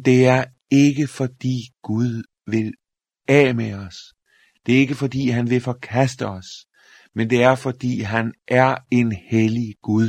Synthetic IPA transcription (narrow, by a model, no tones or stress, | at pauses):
d̥e̝æɐ | e̝ɡ̥əfɒ̽d̥ḭːɡ̥uð̞ˠ | ʋe̝l | ɛ̰ːmeɒ̽s | d̥e̝ɐe̝ɡ̥əfɒ̽d̥ḭːɦænʋe̝fɒ̽kʰæsd̥əɒ̽s | mend̥e̝æɐfɒ̽d̥ḭːɦænʔæɐe̝nheliɡ̥uðˠ